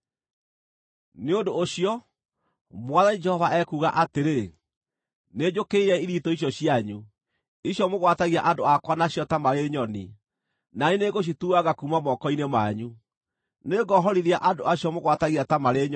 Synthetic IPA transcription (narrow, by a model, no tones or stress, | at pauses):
neondoːɕijɔ | mwaðanid͡ʒɛhɔvaʔɛkuɣaʔateɾe | ned͡ʑokeiɾɛiɾitɔiɕ̬jɔɕjaɲu | iɕjɔmoɣwataɣiaʔandoakwanaɕjɔtamaɾeɲɔni | naeneɣoɕ̬ituaɣakumamɔkɔinemaɲu | neɡɔɦɔɾiɾiaʔadoaɕjɔmoɣwataɣiatamaɾeɲɔ